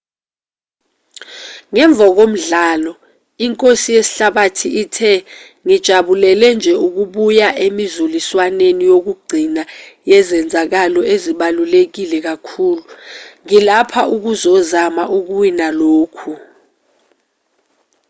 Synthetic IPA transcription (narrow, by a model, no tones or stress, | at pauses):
ŋɛɱb̪vʱak̬om̩ɮaːlɔ | iŋkʼosijesi̥ɬaɓatʰiʔitʰɛ | ŋid̥ʒ̥ʱaɓulɛlɛnd͡ʒʱɛuk̬uɓujaʔemizuliswanenijok̬uɡ͡ǀʱinajɛzɛnd͡zʱak̬alɔeziɓalulek̬ilɛk̬akʰuːluŋilapʰaʔuk̬uzɔzamaʔuk̬uwinaloːkʰu